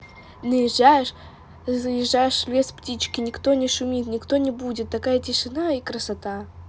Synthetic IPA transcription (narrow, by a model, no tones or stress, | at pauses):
nəjɪʐːajɪʂ | zəjɪʐːajɪʂlʲesptʲit͡ɕkʲɪnʲɪkt̪o̞nʲɪʂʊmʲit̪nʲɪkt̪o̞nʲɪbudʲɪt̪ːɐkajətʲɪʂɨnaikɾəsɐt̪a